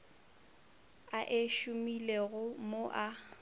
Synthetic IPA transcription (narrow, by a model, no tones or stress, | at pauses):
aʔeʃʊmileɣʊmoʔa